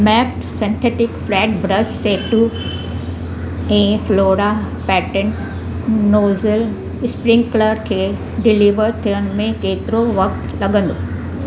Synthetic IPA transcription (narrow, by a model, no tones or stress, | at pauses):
mɛːpʈsɛ̃nʈʰeːʈɪkflɛːʈbɾəsseːʈːu | ɛ̃ːfloːɾa | pɛːʈənː | oːzəl | spɾɪ̃ŋɡkləɾkʰeː | ɖɪliʋəɾt̪ʰijəɽ̃mẽkeːt̪ɪɾoʋɐk̚t̪lɐɡə̃nd̪oː